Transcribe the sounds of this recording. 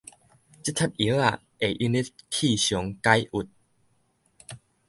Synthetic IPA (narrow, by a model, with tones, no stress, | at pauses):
t͡ɕi˦˥t̪ʰa˦t̪̚ʔi˨˩˦a˨˩ | ʔe˨˩ʔi˧ni˦˥t̪̚kʰi˥˧˨ɕjɔ˨˩˦ŋka˧jʔu˨˩t̪̚